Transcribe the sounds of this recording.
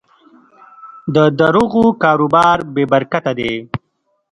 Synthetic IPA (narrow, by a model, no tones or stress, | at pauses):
d̪əd̪aɾuɣukɑːɾubɑːɾbeːbɐɾkat̪ad̪e